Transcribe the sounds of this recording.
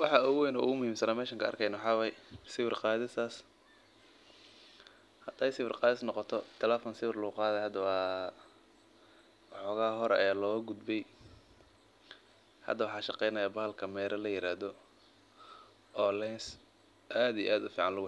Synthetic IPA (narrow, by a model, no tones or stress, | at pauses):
wɑħɑʊɣwɛjnɔ̰ːʊ̰ɣʊmʊhiːmsɐnaːmɛːʃɐŋkʰɐɐ̰rkʰɛjnwħɑːwɛjsɪwɪrqɑːðɪsaːs | hɐd̪̥ɐːjsɪwɪrqɑːðɪsnɔqɔt̪ʰɔt̪ʰɛlɛːfɔnsɪwɪrlʊqɑːðɛhɐd̪ɐwɑː | wħɔːɣaːɦɔɾɛ̰jaːlɔːɡʊd̪bɛj | hɐ̰d̪ːɐwɑħɑːʃɑqɛjnɐjaːbaːlkʰɐmɛːɾʔɐlɐjɪɾaːðɔ | ʔɔːlɛns | ʔaːd̪ijɛ̰ʔaːd̪ʊfiːʕɑnlʊɣʊ